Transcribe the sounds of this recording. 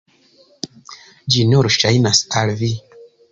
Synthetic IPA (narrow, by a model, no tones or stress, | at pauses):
d͡ʒinoɾʃajnasalvi